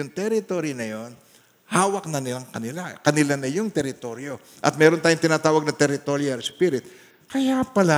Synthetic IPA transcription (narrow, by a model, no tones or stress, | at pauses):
ʊŋt̪ɛɾɪt̪o̞ːɾinɐjo̞n | haːwɐk̚nɐnɪlaŋkɐnɪlakɐnɪlanɐjʊŋt̪ɛɾɪt̪o̞ɾjo̞ | ʔɐ̰t̪̚mɛːɾo̞nt̪aːjoŋt̪ɪnaːt̪aːwɐɡ̚nɐt̪ɛɾɪt̪o̞ɾjɐɾspiɾɪt̪ | kɐjapɐla